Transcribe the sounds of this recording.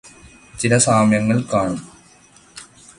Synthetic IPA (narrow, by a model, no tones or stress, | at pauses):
t͡ɕilɐsaːmjɐŋːɐɭkaːɳum